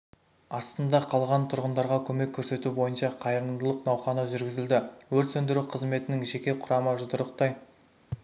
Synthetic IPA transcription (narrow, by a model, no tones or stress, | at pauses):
ɑst̪ənd̪ɑqʰɑlˠʁɑnt̪ʰʊɾʁənd̪ɑɾʁɑkʲʰɵme̞kʲʰːɵɾse̞t̪ubo̞jənʃɑqʰɑjɾənd̪əlˠəqnɑwχɑnəʒʏɾɡʲɪzɪld̪ɪwɵɾt̪sɵnd̪ɪɾuqʰəzme̞t̪ɪnɪŋʒe̞kʲe̞qʰʊɾɑməʒʊd̪əɾəq̚t̪ɑj